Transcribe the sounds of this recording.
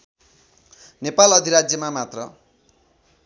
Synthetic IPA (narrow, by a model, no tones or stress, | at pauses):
nepalʌd̪ʱiɾad͡zjʌmamat̪rʌ